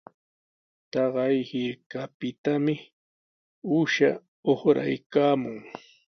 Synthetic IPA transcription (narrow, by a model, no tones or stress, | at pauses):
t̪ɑɢɑjhɪɾkapɪt̪amɪ | ʊʃa̰ | oχɾa̰jkaːmʊŋ